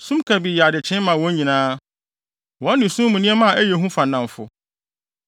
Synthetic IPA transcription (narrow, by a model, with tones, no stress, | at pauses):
sũ˦mkʰa˨bi˨ja˨dɪ˨t͡ɕʰɪ̃˦mã˨wɔ̃˦ɲɲĩ˨nãː˦ | wɔ̃˦n˦nɪ̃˨sũ˦mũ˨nĩ˦ɛ˦mã˦a˨ʔæ˦je˨ɦũ˦fa˨n˨ã˨m˨fʊ̰˨